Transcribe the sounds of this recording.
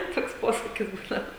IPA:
ˈtoːks ˈpoːsɐkʲɪs ˈbuːdɐʋɐ

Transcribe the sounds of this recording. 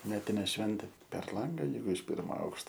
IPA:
ˈmʲæːtʲɪnʲeː ˈʃʲʋʲɛnʲtʲeː pʲɛr ˈlˠɐŋɡɐ ˈjɛɪɡʊ ɪʃ ˈpʲɪrmoː ˈɐʊkʃtoː

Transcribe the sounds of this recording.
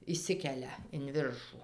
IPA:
ɪʃʲˈsʲɪkʲɛlʲɛ ɪn ˈʋʲɪrʃuː

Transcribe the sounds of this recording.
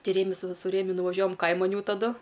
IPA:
ˈtʲɪ ˈrʲeːmʲɪs ˈʋɐ sʊ ˈrʲeːmʲʊ nʊʋɐˈʒʲuɔjɛm ˈkɐɪmɐn ˈjɛʊ tɐˈdʊ

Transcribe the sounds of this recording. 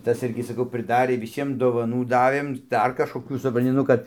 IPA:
ˈtɐs ˈɪrʲɡʲɪ sɐˈkɐʊ prɨˈdɑːrʲeː ʋʲɪˈsʲiɛm doːʋɐˈnuː ˈdɑːʋʲeːm ˈdɐr kɐʃkoːˈkʲuː sʊprɐnʲˈtʲɪ ˈnʊ kɐt

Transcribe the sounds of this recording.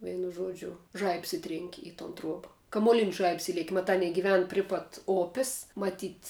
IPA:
ˈʋʲɛɪnʊ ˈʒuɔd͡ʒʲʊ ˈʒɐɪps ˈɪtʲrʲɛŋʲkʲɪ ɪ toːn ˈtruɔbɐ kɐmuɔˈlʲɪnʲɪs ˈʒɐɪps ˈɪlʲiɛkʲɪ mɐˈtɑː ˈɑːnʲiɛ ɡʲɪˈʋʲɛn ˈpʲrʲɪ pɐt ˈoːpʲɪs mɐˈtʲiːtʲ

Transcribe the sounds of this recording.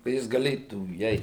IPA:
kɐ ˈjɪs ɡɐˈlʲeːtuː iːˈɛɪt

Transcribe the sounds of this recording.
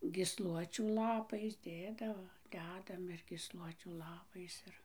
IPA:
ɡʲiːsˈlˠuɔt͡ʃʲuː lˠɐˈpɐɪs ˈdʲeːdɐʋoː ˈdʲæːdɐm ɪr ɡʲiːsˈlˠuɔt͡ʃʲuː ˈlˠɑːpɐɪs ˈɪr

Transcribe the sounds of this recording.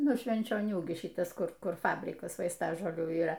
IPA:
ˈnʊ ʃʲʋʲɛnʲt͡ʃʲoːˈnʲuː ɡʲɪ ˈʃʲɪtɐs ˈkʊr ˈkʊr ˈfɑːbʲrʲɪkɐs ʋɐɪsˈtɑːʒoːlʲuː iːˈrɐ

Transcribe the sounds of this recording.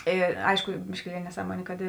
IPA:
ˈeː ˈɐɪʃkʊ bʲɪʃʲkʲɪˈlʲiɛlʲɪ nʲɛˈsɑːˌmuɔnʲeː kɐt

